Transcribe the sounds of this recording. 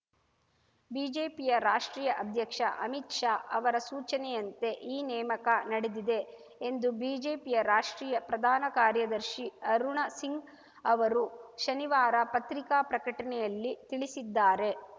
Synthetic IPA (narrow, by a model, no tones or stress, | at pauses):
biːd͡ʒe̞ːpijɐɾaːʂʈɾiːjɐʔɐd̪ʱjɐkʂɐ̰ʔɐmit̪ʂaːʔɐ̰ʋɐɾɐsuːt͡ʃɐnɛjɐnt̪e̞ʔiːnɛːmɐkɐnɐɽed̪id̪e̞ː | nd̪ubiːd͡ʒe̞ːpijɐɾaːʂʈɾiːjɐpɾɐd̪ʱaːnɐkaːɾjɐd̪ɐɾʃiɐɾuɳɐsiŋɡ | ɐʋɐɾuʃɐniʋaːɾɐpɐt̪ɾikaːpɾɐkɐʈɐnɛjɐlːit̪iɭisid̪ːaːɾe̞